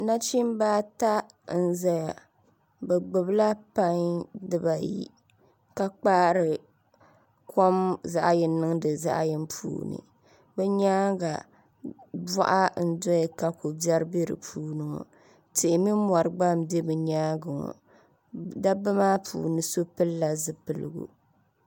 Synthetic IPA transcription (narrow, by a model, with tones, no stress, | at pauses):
na˦t͡ʃi˦m˦baː˦ta˦ | n̩˦˨za˦ja˨ | bɛ˨ɡ͡bɨ˨bla˦pa˦ŋdɨ˦ba˨jḭ˦ | ka˦k͡paː˦ɾɨ˨ | kʰo˦mza̰˦ʔjɪ˨nɨ˦ŋdɨ˨za̰˦ʔjɪ˦m˦pʰṵː˨nɨ̰˨ | bɛ˦ɲaː˦ɡa˨ | bɔ̰˦ʔa˦n̩˦dɔ˦ɛ˨ka˨ko˨bjɛ˦ɾɨ˦be˦ɾɨ̰˨pʰuː˦nɨ˨ŋɔ̰˨ | tɪ˨ʔɪ˨mi˦m˦a˨ɾɨ˨ɡ͡ba˦mde˦bɨ˨ɲaː˦ɡɨ˨ŋɔ̰˨ | da˦bɨ˦maː˦pʰṵː˨nɨ˨so˦pɨ˦lːa˨zɨ˦pɨ˨lɨ̰˨ɡṵ˨